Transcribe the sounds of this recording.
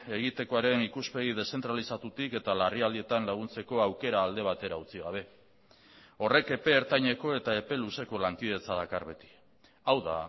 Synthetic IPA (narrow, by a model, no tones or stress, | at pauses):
e̞ɣ̞it̪e̞ko̞aɾe̞nikuspe̞ɣið̞e̞se̞nt̪ɾalisat̪ut̪ike̞t̪alariald̪ie̞t̪anlaɣ̞unt͡se̞ko̞awke̞ɾaːld̪e̞β̞at̪e̞ɾaut͡siɣaβ̞e̞ | o̞re̞ke̞pe̞ːɾt̪aɲe̞ko̞e̞t̪ae̞pe̞luse̞ko̞laŋkiðe̞t͡saðakarβe̞t̪i̥ | awða̰